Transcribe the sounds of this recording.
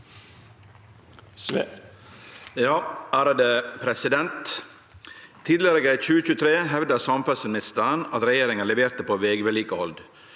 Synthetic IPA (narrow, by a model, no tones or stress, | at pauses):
jɑːæːɾd̪eːpʰɾɛsɪd̪ɛnt̪ | iːd̪lɪəɾəɡɛçʉːəçʉːət̪ʰɾeːɦɛʋd̪əsɑmfœlsmɪnɪst̪əɾənɑt̪ɾɛjeːɾɪŋənlɛʋeːɾt̪əpʰoːʋeːɡʋɛliːkəɔld̪